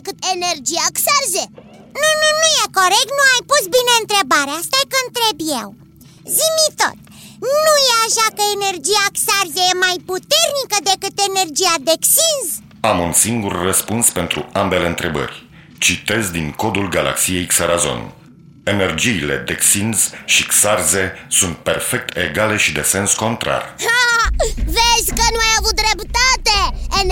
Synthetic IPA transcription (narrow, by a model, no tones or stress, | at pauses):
kɨt̪enerd͡ʒijaksarze | nununujeko̞ɾek̚t̪nuajpusbine̞ɨnt̪ɾe̞baɾeast̪akəɨnt̪ɾe̞bjḛw | zimit̪o̞̰t̪̚ | nujeaʃakəene̞rd͡ʒijaksarzejemajput̪e̞rnikəd̪e̞kɨt̪e̞ne̞rd͡ʒijad̪eksinz | amunsiŋɡurːəspunspe̞nt̪ɾuambe̞leɨnt̪ɾe̞bə̰rʲ | t͡ʃit̪e̞zd̪iŋko̞d̪ulɡala̰ksije̞jksaɾazo̰n | enerd͡ʒiːle̞̰d̪eksinzʃiksarzesunt̪̚perfe̞k̚t̪ʰeɡale̞ʃid̪ese̞nsko̞nt̪ɾa̰ra | veʒkənũajavut̪̚d̪ɾept̪at̪ee